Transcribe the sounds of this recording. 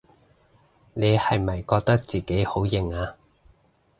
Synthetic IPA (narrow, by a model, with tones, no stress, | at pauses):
ne˨˧jhɐ˨jmɐ˨jkɔː˧k̚t̪ɐ˥k̚t͡siː˨ke˨˥jho˨˥wjɪ˨˩ŋaː˧